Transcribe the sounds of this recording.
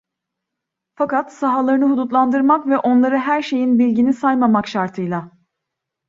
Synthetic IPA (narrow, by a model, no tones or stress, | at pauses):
fakat̪saɦalˠaɾɯnɯɦud̪ut̪lˠand̪ɯɾmakvɛʔo̞nlˠaɾɯɦæɾʃe̞jinbilʲɟinisajmamakʃaɾt̪ʰɯjlˠa